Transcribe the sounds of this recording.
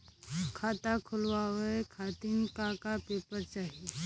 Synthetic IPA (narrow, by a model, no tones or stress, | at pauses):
kʰaːt̪akʰʊlwaɦoekʰaːt̪ɪŋkakapeːpəɾt͡ʃaːɦie